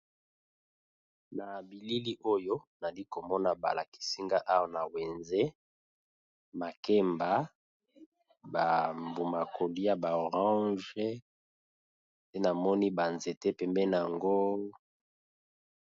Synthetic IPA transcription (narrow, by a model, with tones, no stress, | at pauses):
na˨bi˨li˦li˦ʔo˦jo˦na˨li˦ko˨mɔ˦na˨ba̰˨la˨ki̥˨si˦ŋɡa˦ʔa˦wa˨na˨we˨nze˦ | ma˨ke˦mba˨ | ba˨mbu˨ma˨kʰo˨li˦ja˨ba˨o˨ʁɑ̃˦ʒɛ˦ | se˦na˨mɔ˦ni˦ba˨nze˨te˦pɛ˨mbɛ˦na˨a˨ŋɡo˦